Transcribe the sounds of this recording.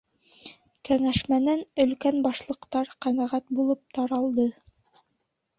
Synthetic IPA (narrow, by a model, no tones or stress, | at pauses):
kæŋæʃmænænɵ̆lkænbɑʃlˠɤ̆qt̪ɑɾqænæʁæt̪̚bulˠɤp̚t̪ɑɾɑlˠd̪ɤ